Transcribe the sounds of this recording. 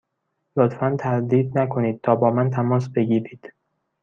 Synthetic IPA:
lot̪fænt̪ʰæɾd̪iːd̪nækʰo̞niːd̪̥̚t̪ʰɒːbɒːmænt̪ʰæmɒːsbe̞ɡiːɾiːd̪̥

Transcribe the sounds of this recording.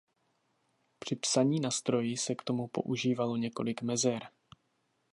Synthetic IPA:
pr̝̥ɪpsaɲiːnast̪ɾo̞jɪsɛkt̪o̞mupo̞̰ʔuʒiːvalo̞ɲɛko̞lɪkmɛzɛɾ

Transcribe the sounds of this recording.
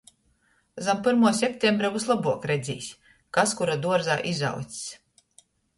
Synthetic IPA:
zampɨɾmuɔsʲepʲt̪ʲembɾauzlˠabuɔkɾɛd̪zʲḭːsʲ | kaskuɾad̪uɔɾzaːʔiza̰w̪sʲsʲ

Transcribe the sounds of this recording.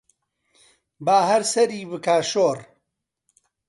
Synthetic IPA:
baːɦɐɾsɐɾiːbɨkaːʃoːr

